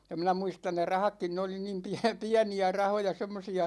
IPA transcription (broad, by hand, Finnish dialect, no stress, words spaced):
jɑ minæ muistɑn ne rɑhɑkːin ne oli niːm piæ piæniæ rɑhojɑ semːosiɑ